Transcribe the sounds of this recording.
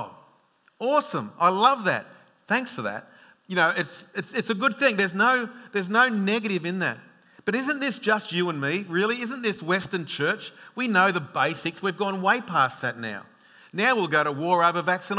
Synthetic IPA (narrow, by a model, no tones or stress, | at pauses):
ɔsə̃ma̰ɪlʌvðæ̰t̚ | θæ̃ŋksfə˞ðæ̰t̚ | jɨnoʊɨtsɨtsɨtsɨɡʊd̪̚θɪ̃ŋðə˞znoʊðə˞znoʊnɛɡɨɾɨvɨ̃nðɨ̰t̚ | b̥ʌɾɪzɨ̃nðɪsd̥ʒ̥ʌst͡ʃɨə̃nmiɹɪlˠiɪz̃n̩ðɪswɛstə̃˞nt͡ʃʰɜ˞t͡ʃwinoʊðəbeɪsɨkswivɡɔ̃nweɪpʰæsðɨtⁿna̰ʊ | naʊwilˠɡoʊɾəwɔɹoʊvəvæksɨ̃n